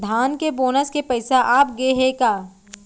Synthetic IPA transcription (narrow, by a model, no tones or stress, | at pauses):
d̪ʱaːnkeboːnəskepɐɪsaʔaːp̚ɡeɦekaː